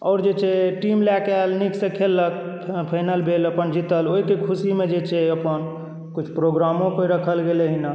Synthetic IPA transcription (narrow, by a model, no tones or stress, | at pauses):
ɔʊɾd͡ʒet͡ʃʰɛʈimlɛkalniksẽkʰelːəkʰ | pʰənəlbʱeləpənd͡ʒit̪əloɦikekʰusimed͡ʒet͡ʃʰɛəpən | kut͡ʃʰpɾoɡɾamõkeɾəkʰəlɡeleɦina